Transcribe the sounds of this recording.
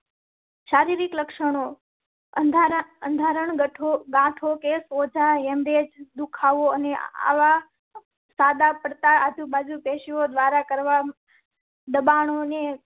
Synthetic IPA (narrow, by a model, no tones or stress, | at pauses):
ʃaːɾiːɾɪkləkʃəɽ̃o | ənd̪ʱə̃nd̪ʱaːɾəɳ̃ɡəʈʰoɡãːʈʰokesoːd͡ʒʱaeːmɾed͡ʒd̪ukʰaːʋoənea̰ʋa | saːd̪apəɽt̪aaːd̪ʱubaːd͡ʒupeːʃiod̪ʋaːɾakəɾʋa | d̪əbaːɳone